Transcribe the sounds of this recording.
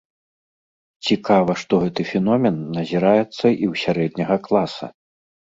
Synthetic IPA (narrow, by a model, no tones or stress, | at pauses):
t͡sʲikavɐʂt̪ɔɣɛt̪ɨfʲɛnɔmʲɛnːɐzʲiɾajɛt̪sːɐʔiwsʲaɾɛd̪̚nʲɐɣɐklˠasɐ̰